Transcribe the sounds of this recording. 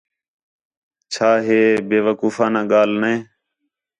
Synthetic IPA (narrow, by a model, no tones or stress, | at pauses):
t͡ʃʰaːɦeːbeːʋəkuːfãːnãːɠaːlnẽː